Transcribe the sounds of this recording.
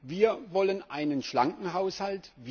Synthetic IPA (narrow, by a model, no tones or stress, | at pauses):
viːɐvɔlənʔaɪnənʃla̰ŋkŋ̩ɦaʊshaltv